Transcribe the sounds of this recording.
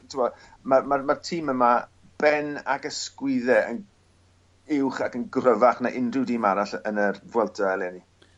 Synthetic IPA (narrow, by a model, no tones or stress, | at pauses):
tʰɪmɔ | mamarmartʰiːməma | b̥ɛna̰ɡəskwɪðɛə̰n | ɪwχakənɡrəvaχnaʔɪnrɪwdimaɾaɬənərvwɛlˠtʰɔɛlˠɛni